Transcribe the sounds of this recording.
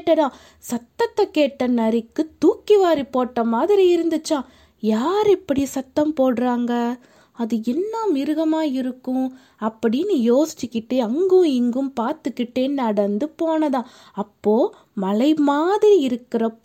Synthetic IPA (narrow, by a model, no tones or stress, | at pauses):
ʈːɐɽãː | sɐt̪ːɐt̪ːɐkeːʈːɐnɐɾɪkːɯt̪uːkːiʋaːɾipoːʈːɐmaːðɪɾiɪɾɯnd̪ɯt͡ʃːãː | jaːɾɛpːɐɽisɐt̪ːɐmpoːɽɯɾaːŋɡɐ | ɐðɯɛnːɐmɪɾɯɣɐmaːɪɾɯkːʊ̃ | ɐpːɐɽɪjnːɯjoːsɪ̥t͡ʃːɯkːɪʈːeɐŋɡɯ̃ɪŋɡɯmpaːɾt̪ɯkːɪʈːeːnɐɽɐnd̪ɯpoːnɐðãː | ɐpːoː | mɐlɐɪmaːðɪɾiɪɾɯkːɪɾɐ